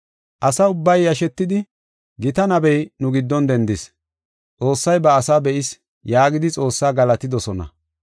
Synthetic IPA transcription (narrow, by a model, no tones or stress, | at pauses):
ʔɐsɐʊbːɐjːɐʃɛt̪ːɪd̪ɪ | ɡɪt̪ɐnɐbɛjnʊɡɪd̪ːɔnd̪ɛnd̪ɪs | t͡sʼo̞ːsːɐjbɐːsabɛʔɪs | jaːɡɪd̪ɪt͡sʼo̞ːsːaːɡɐlɐt̪ɪd̪ɔsɔnɐ̰